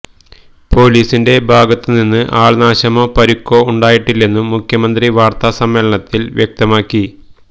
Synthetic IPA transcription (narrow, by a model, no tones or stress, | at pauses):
po̞ːliːsinde̞bʱaːɡɐt̪ːɨninːɨʔaːɭnaːɕɐmo̞ːpɐɾukːo̞ːuɳɖaːjiʈːilːe̞nːumːukʰjɐmɐnd̪riʋaːrt̪asɐmːeːlɐɳɐt̪ːilʋjʔek̚t̪ɐmaːkːi